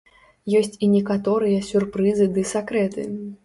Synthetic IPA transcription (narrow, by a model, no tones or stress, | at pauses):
jɔsʲt͡sʲinʲɛkat̪ɔɾɨjɐsʲurpɾɨzɨd̪ɨsakɾɛt̪ɨ̰